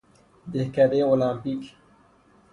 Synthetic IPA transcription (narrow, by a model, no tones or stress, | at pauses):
d̪ehkad̪eolãːmpik